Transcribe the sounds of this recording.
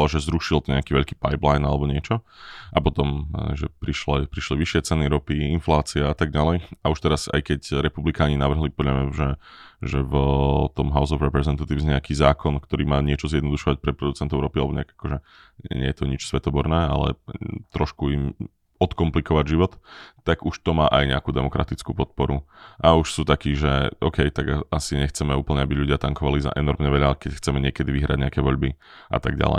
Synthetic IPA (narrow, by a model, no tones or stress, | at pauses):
aʒɛzɾuʃilt̪ɔɲɛakiːʋɛʎkiːpajplajnalɛbɔɲɪɛt͡ʃɔapɔt̪ɔm̰ʒɛpɾiʃlɛpɾiʃliʋiʃɪɛt͡sɛniɾɔpiinflaːt͡siɛat̪aɡ̚ɟalɛjauʃt̪ɛɾasa̰jkɛcɾɛpublikaːɲinaʋr̩ɦlipɔdʎamɲaʒɛʒɛvt̪ɔmɦaʊzɔvɾɛpɾɛzɛnt̪at̪iʊzɲɛakiːzaːkɔnkt̪ɔɾiːmaːɲɪɛt͡ʃɔzjɛd̪nɔd̪uʃɔʋac̚pɾɛpɾɔd̪ut͡sɛnt̪ɔʊɾɔpialɛbɔɲɛa̰ɡakɔʒɛɛɲɛjɛt̪ɔɲit͡ʃsʋɛt̪ɔbɔɾnɛːalɛ̰t̪ɾɔʃkuim | ɔt̪kɔmplikɔʋaɟʒiʋɔt̪ːaɡuʃt̪ɔmaːʔajɲɛ̰akuːd̪ɛmɔkɾat̪it͡skuːpɔt̪̚pɔɾuʔauʃsuːt̪akiːʒɛʔɔkɛjt̪aɡaasiɲɛxt͡sɛmɛuːpl̩ɲɛabiʎuɟɪat̪aŋkɔʋaliza̰ʔɛnɔɾmɲɛʋɛʎakɛcxt͡sɛmɛɲɪɛkɛd̪iʋiɦɾaɟɲɛakɛːʋɔʎbiʔa̰t̪aɡɟa̰lɛ̰ɪj